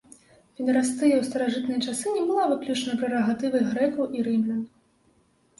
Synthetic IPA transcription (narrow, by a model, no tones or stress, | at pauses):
pʲinʲɐɾast̪ɨjɐwst̪ɐɾaʐɨt̪nɨjɐt͡ʂasɨnʲɛbɨlˠavɨklʲut͡ʂɐnɐpɾɛɾɔɣat̪ɨvɨɣɾɛkuwʔiɾɨmlʲɐn